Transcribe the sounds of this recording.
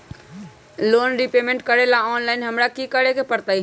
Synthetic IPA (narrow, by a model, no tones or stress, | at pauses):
lonɾipemẽɳʈkəɾelaɔnlaɪnɦəmɾakikəɾekepəɾt̪ai